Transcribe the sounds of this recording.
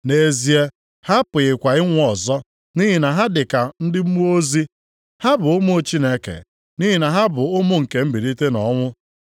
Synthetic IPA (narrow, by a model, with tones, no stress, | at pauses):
ne˨zi˨e˦ | ha˦pʊ˨ɣɪ˨kʷa˨ɪ˦ŋʷ˦ɔ˨zɔ˦ | ni˦ɦi˨na˨ɦa˦dɪ˨ka˨n̩˦dɪ˦m̩˦mu˦o˦zi˦ | ha˦bʊ˨ʊ˦mʊ˦o˨t͡ʃi˦ne˦kḛ˨ | ni˦ɦi˦na˨ɦa˦bʊ˨ʊ˦mʊ˦ŋ̩˨ke˨m̩˦bi˨ɾi˦te˦nɔ̰˨˦ŋʷʊ˦